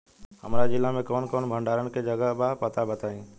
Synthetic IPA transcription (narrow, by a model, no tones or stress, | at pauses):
ɦə̰mɾad͡ʒɪlːãmẽkoːnkoːnbʱə̃ɳɖaːɾənɪ̆kʰẽd͡ʒəɡəɦɓapət̪abət̪aːĩː